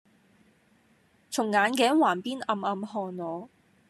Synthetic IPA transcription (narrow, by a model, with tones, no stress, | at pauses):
t͡sʰʊ˨˩ŋːaː˨˧nkɛː˨˥ŋwaː˨˩npiː˥nɐ˧mɐ˨˧mhɔː˧nnɔː˨˧